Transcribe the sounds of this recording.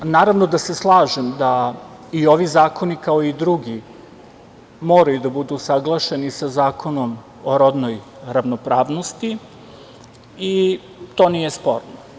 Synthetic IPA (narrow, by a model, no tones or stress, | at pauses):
naːɾaʋnod̪aseslˠaːʒemd̪a | io̞ʋizaːko̞nikao̞id̪ɾuɡi | mo̞ːɾajud̪abud̪usaɡlˠaʃe̞nisazaːkʰo̞no̞m | oɾo̞d̪no̞j | ɾaʋnopɾaːʋnost̪i | i | t̪o̞ːnije̞spo̞ɾno